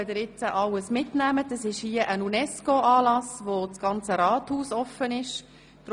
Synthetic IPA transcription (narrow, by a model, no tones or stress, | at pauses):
ədɪɾɪt͡səʔɑləsmɪtnæmədɑsɪʃhiːəʔənunɛskoɑːlɑsʋot͡sɡ̥ɑnt͡səɾɑːt̪huːsɔfənɪʃ | d̥ɾ